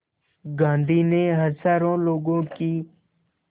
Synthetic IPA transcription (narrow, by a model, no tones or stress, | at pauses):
ɡãːnd̪ʱiːneːɦəzaːɾõːloːɡõːkiː